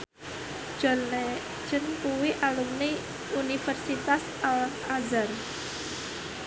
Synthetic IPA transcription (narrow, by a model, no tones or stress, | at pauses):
ʒ̥ɔ̤lne̥ | ʒ̥ə̤npuwiʔalumni | unifɛrsit̪as | al | azar